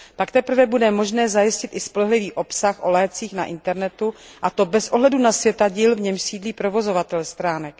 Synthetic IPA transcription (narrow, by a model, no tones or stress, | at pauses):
pakt̪ɛpr̩vɛbudɛmo̞ʒnɛːzajɪscɪt̪ɪspo̞lɛɦlɪviːʔo̞psaxʔo̞lɛːt͡siːxna̰ʔɪnt̪ɛɾnɛt̪uʔat̪o̞bɛsʔo̞ɦlɛdunasvjɛt̪aɟiːlvɲɛmʃsiːdliːpɾo̞vo̞zo̞vat̪ɛlst̪ɾaːnɛk